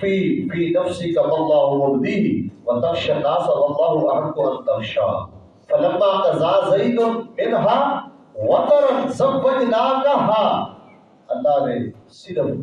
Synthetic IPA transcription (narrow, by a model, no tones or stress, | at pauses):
fiːfiːnɐfsikɐwɐlˤːaːɦʊwɐbd̪iɦwɐt̪ɐxʃɐnaːsɐwɐlˤːaːɦuʔɐɾɐd̪uʔɐnt̪ɐxʃa̰ː | fɐlɐmːaːt̪ɐzaːzɐid̪ɐmɪnɦa | wɐt̪ɐɾɐzɐbːɐtnaːkɐɦaː | ʔɐlːaːnesid̪ɐ